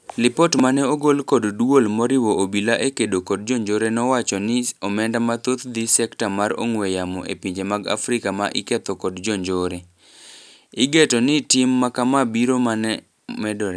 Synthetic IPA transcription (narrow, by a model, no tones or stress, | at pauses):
lɪpɔtmanɛoɡolkoddwolmɔɾɪwoobilaʔekedokɔd̚d͡ʒoɲd͡ʒoɾenɔwat͡ʃɔnɪɔmɛndamat̪ot̪d̪ɪsɛktamaɾo̰ŋwɛjamɔ̰ʔḛpiɲd͡ʒemaɡa̰fɾɪkamaʔɪkɛt̪ɔkɔdd͡ʒɔɲd͡ʒoɾe | ɪɡetɔnɪtɪmːakamabiɾomanɛ | mɛdɔɾe